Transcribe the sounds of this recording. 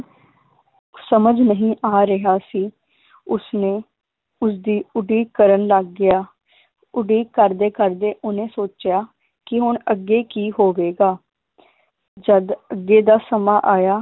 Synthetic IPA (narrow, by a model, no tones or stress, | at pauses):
səməd͡ʒnəɦĩːʔaːɾɪɦaːsiː | ʊsneː | ʊsd̪iːʊɖiːkkːəɾənləɡːɪjaː | ʊɖiːkkəɾd̪eːkəɾd̪eːʔʊnẽːsoːt͡ʃɪjaː | kɪɦʊɳəɡːeːkiːɦoːʋeːɡaː | d͡ʒəd̪əɡːeːd̪aːsəmaːʔaːjaː